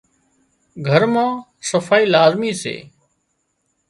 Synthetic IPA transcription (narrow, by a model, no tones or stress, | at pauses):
ɡʱəɾmãː | səfaːiːlaːzmiːsḛː